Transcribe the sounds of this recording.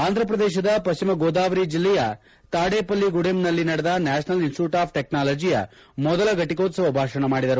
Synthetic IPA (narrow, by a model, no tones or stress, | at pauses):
aːnd̪ɾɐpɾɐd̪eːʃ̬ɐd̪ɐpɐʃt͡ʃimɐɡoːd̪aːʋɐɾid͡ʒilːɛjɐ | t̪aːɽeːpɐlːiɡuɽemnɐlːinɐɽɛd̪ɐnaːʃɐnɐlinsʈjuːʈaːp̚ʰʈeknaːlɐːd͡ʒijɐ̰ | mɔd̪ɐlɐɡɐʈːikoːt̪sɐʋɐbʱaːʂɐɳɐmaːɽid̪ɐɾu